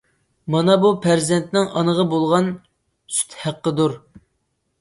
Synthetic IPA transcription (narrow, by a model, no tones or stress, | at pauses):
mɑnɑbupʰæɾzɛnt̪nɪŋʔɑnəʁɑbolˠʁɑn | sy̥t̪hæqːəd̪uɾ